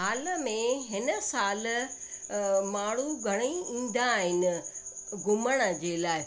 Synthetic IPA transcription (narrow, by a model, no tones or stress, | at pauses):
ɦaːlmẽɦɪnə̆saːl | maːɽ̤uɡʱɐɽ̃iĩːn̆d̪aɦɪnɪ̆ | ɡʱʊməɽ̃ə̆d͡ʑeːlaːɪ